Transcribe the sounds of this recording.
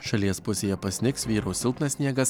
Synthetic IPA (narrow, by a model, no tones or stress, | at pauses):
ʃɐlʲiɛspʊsʲeːjɛpɐsʲnʲɪksʋʲiːɾɐʊsʲɪlˠt̪nɐsʲnʲiɛɡɐs